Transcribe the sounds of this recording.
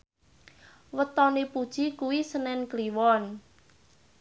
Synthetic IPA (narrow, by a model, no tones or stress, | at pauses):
wət̪ɔnipud̥ʒ̥ikuwisənɛnkliwɔn